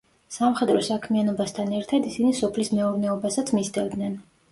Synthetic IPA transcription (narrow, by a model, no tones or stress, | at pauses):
samχɛd̪ɾɔsakʰmianɔbast̪ʰanɛɾt̪ʰad̪isinisɔpʰlismɛuɾnɛɔbasat̪sʰmist̪ɛvd̪nɛn